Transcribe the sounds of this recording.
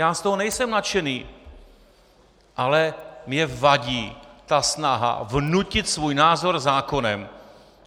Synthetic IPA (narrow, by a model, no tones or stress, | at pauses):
jaːst̪oɦonɛjsɛmnat͡ʃɛniː | ʔalɛmɲɛvaɟiːt̪asnaɦa̰vnucɪt̪svuːjnaːzo̞ɾzaːko̞nɛm